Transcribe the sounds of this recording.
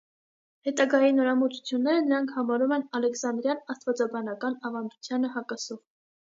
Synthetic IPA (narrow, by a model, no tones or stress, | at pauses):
hɛt̪ɑɡɑjinɔɾɑmut͡sʰu̥t͡sʰjunːɛɾənəɾɑŋkʰhɑmɑɾumɛnɑlɛksɑnd̪ɾjɑnɑst̪vɑt͡sɑbɑnɑkɑnɑvɑnd̪ut͡sʰjɑnəɦɑkɑsɔv